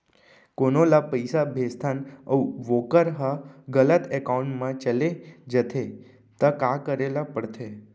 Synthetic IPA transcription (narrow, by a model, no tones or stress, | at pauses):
konolapəjsabʱest̪ʰanəwʋokəɾɦaɡələt̪ekauɳʈmãt͡ʃəled͡ʒət̪ʰe | t̪əkakəɾelapəɽt̪ʰe